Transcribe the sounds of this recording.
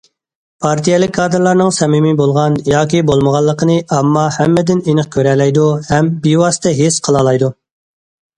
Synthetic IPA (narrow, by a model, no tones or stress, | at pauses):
pʰɑɾt̪ʰijɛlɪkʲkʰːɑːd̪ɨɾlˠɑɾnɨŋsɛmimibolˠʁɑnjɑːkʲibolˠməʁɑlˠːəqʰənɨɑmːɑhɛmːɪd̪ɪnenəχ̚kʲʰøɾɛlɛjd̪uhɛmbiwɑsɨ̥t̪ʰɛɦesqʰəlˠɑlˠɑjd̪u